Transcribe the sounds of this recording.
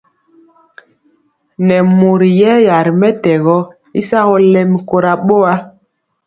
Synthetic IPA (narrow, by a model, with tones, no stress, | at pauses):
nɛ˨mo˨ɾi˨jɛ˦ja˨ɾi˨mɛ˦tɛ˨ɣɔ˦ | i˦sa˦ɣɔ˦lɛ˦mi˦ko˨ɾa˨ɓo˦a˦